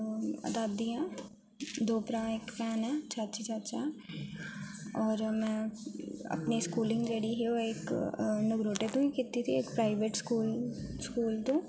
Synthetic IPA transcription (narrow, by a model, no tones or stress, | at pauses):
ə̰d̪aːd̪ijãː | d̪oːpɾãekfɛːnɛ̃ːt͡ʃʰaːtːt͡ʃʰit͡ʃʰaːtːt͡ʃʰaɦɛ | ɔːɾmɛ̃ː | ə̰pneskuːlɪ̃ŋɡd͡ʒeːɽiɦioɪknəɡɾoːʈet̪õːikɪt̪ːit̪ʰiekpɾaːɪʋeʈskuːlskuːlt̪õː